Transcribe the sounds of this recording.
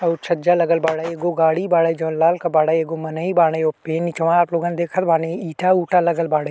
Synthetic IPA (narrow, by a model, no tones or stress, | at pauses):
ɔːt͡ʃʰɐd͡ʒaːləɡəlbaːɽaeːɡoːɡaːɽibaːɽed͡ʒõːlaːlkabaːɽaːeːɡoːmɐnaibaːɽeoːpeːnit͡ʃɐãaːploːɡãːned̪eːkʰət̪̚bʱaːneiːʈauːʈalɐɡəlbaːɽə